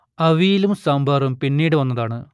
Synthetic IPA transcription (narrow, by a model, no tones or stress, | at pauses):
ɐʋijilumsaːmbʱɐːrɐmpinːiːɽɨʋɐnːɐðaːɳɨ